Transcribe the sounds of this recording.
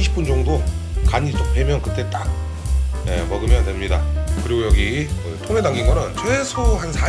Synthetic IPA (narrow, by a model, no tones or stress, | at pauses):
iɕʰi̥p͈und͡ʑʌŋdokaɲit͡ɕ͈opemjʌnkɯ̥t͈e̞t͈a | je̞̰mʌɡɯmjʌndwe̞mɲidakɯɾiɡojʌɡikɯtʰoŋe̞daŋɡinɡʌɾɯnt͡ɕʰwesʰoɦansʰa